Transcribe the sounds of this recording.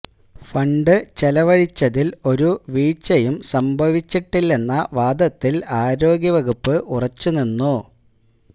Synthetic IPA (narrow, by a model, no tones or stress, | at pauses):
fɐɳɖɨt͡ɕelɐʋɐɻit͡ɕːɐðilo̞ɾuʋiːt͡ɕːɐjumsɐmbʱɐʋit͡ɕːiʈːilːe̞nːɐʋaːd̪ɐt̪ːilaːɾo̞ːɡjɐʋɐɣupːɨʔurɐt͡ɕːuninːu